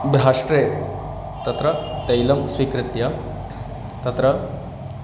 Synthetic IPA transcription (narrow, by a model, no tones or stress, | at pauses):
bɾɦaʂʈɾe | t̪ɐt̪ɾɐt̪ɐjlɐmsʋikɾɪt̪ja | t̪ɐt̪ɾɐ